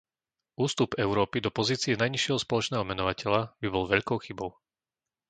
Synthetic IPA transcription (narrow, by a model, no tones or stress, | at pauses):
uːst̪upɛʊɾɔːpid̪ɔpɔziːt͡siɛnajɲiʃɪɛɦɔspɔlɔt͡ʃnɛːɦɔmɛnɔʋacɛʎabibɔlʋɛʎkɔʊxibɔʊ